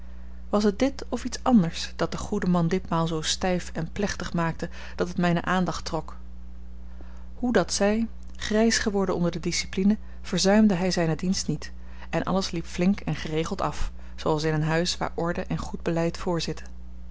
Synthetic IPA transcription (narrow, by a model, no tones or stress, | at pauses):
ʋɑs̬ɦət̚dɪtɔfitsɑndəɹsd̥ɑt̚d̥əχudəmɑndɪtmaːlˠzowstɛjfɛnplɛχtəχmaːk̚tə | d̥ɑtətmɛjnə̰ʔaːndɑχtrɔk | hudɑtsɛj | χrɛjsχəʋɔɹdənɔ̰ndəɹdədisi̥plinə | v̥əɹzœɥmdəɦɛjzɛjnədinstnit | ɛnʔɑ̰ləslipflɪŋkɛnχərejχlˠtɑf | soɑlˠsɪnənɦœɥsʋa̰ːɹʔɔɹdəʔɛnχud̚bəlɛjtfʊːɹzɪtʰə̥